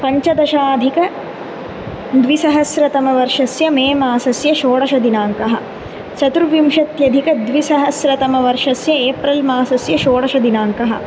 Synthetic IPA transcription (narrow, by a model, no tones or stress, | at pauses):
pɐɲt͡ʃɐd̪ɐʃaːd̪ʱikɐ | d̪ʋisɐɦɐsɾɐt̪ɐmɐʋɐɾʂɐsjɐmeːmaːsɐsjɐʃoːɽɐʃɐd̪inaːŋkɐɦɐ̰̆ | sɐt̪uɾʋimʃɐt̪jɐd̪ʱikɐd̪ʋisɐɦɐsɾɐt̪ɐmɐʋɐɾʂɐsjɐeːpɾɐlmaːsɐsjɐʃoːɽɐʃɐd̪inaːŋkɐɦɐ̰̆